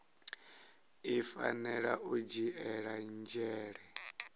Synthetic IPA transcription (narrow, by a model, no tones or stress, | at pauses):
ifa̰nɛɺaʔud͡ʒiʔɛɺand͡ʒɛːɺɛ